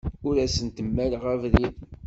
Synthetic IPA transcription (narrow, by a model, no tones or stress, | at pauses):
ʊɾæsənt̪əmːælʁævɾið